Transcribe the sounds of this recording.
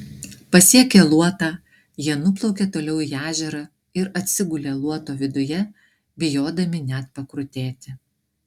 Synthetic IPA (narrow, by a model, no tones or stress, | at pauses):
pɐsʲiɛkʲelˠuɔt̪ɑː | jiɛnʊplˠɒʊkʲeːt̪oːlʲɛʊæːʒʲɛɾɐ | ɪɾɐt̪ʲsʲɪɡʊlʲeːlˠuɔt̪oːʋʲɪd̪ʊjɛ | bʲɪjoːd̪ɐmʲɪnʲæt̪pɐkɾʊt̪ʲeːt̪ʲɪ